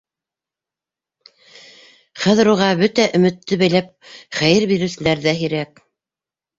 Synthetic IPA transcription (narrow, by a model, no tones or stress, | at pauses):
χæðɘ̆ɾuʁɑbɵt̪æʔɵ̆mɘ̆t̪ːɵβæjlæp̚χæjɘɾbiɾɘ̆wsɘ̆læɾðæɦiɾæk